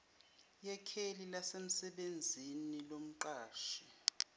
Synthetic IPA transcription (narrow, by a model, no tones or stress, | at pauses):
jɛkʰelilasem̩sɛɓend͡zʱinilom̩ǃaːʃi̥